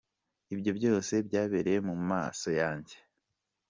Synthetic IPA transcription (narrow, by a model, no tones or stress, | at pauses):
ibɟo̞bɟo̞ːse̞bɟaːβeɾejemuma̰ːso̞jaːɲɟe